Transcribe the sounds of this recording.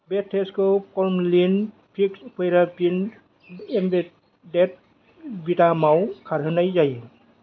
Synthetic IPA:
bɛtʰːeskɔkɔɹmlin | pʰikspɔjɾapin | embe | dɛt̚ | bitamawkʰaɾɦɯnajzaj

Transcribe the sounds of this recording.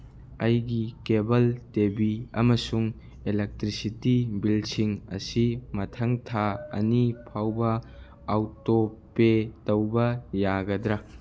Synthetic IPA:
ɐjɡikebɐltebiɐmɐsuŋ | elek̚tɾisitibilsiŋɐ̰simɐtʰɐŋtʰaɐ̰nipʰawbɐː | wtopetɐwbɐjaɡɐdɾɐ

